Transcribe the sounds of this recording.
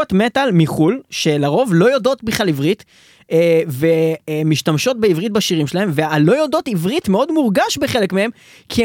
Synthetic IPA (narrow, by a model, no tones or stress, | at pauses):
otmetalmiχulʃe̞laʁo̞vlo̞jodo̞tbiχlalivʁitː | vemiʃtamʃo̞t̚beivʁit̚baʃiʁimʃelahe̞mvealo̞jodo̞tivʁitmeo̞dmuʁɡaʃbeχe̞lekmehe̞m | kʰi